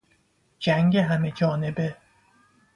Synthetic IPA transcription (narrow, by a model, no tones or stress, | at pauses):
d͡ʒæŋɡeɦæme̞d͡ʒɒːnebe